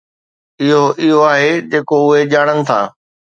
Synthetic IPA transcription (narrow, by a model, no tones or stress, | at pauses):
ɪɦoʔɪɦoaːɦed͡ʑeːkoʊɦeʄaːɽ̃ənɪ̆t̪ʰa̰ː